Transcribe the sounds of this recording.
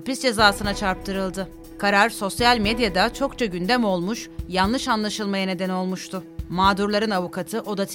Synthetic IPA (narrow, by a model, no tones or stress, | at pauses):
pisd͡ʒe̞zaːsɯnat͡ʃʰaɾp̚t̪ʰɯɾɯlˠd̪ɯ | kʰaɾaɾso̞sjalʲmed̪jad̪at͡ʃʰo̞kt͡ʃʰaɟynd̪ɛmo̞lˠmuʃjanlˠɯʃanlˠaʃɯlˠmajane̞d̪ɛno̞lˠmuʃt̪ʰʊmaːd̪uɾlˠaɾɯnavukʰat̪ʰɯʔo̞d̪at̪ʰ